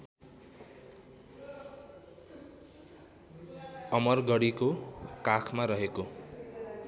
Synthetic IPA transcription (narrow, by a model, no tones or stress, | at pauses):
ʌmʌrɡʌɽikokakʰmaɾʌɦeko